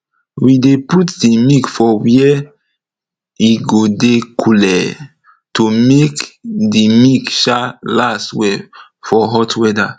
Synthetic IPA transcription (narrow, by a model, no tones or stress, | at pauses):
wideputdimikfɔwɛ | iɡodekʰulɛ | tomekdimikʃalastwɛ | fɔɦɔtwɛda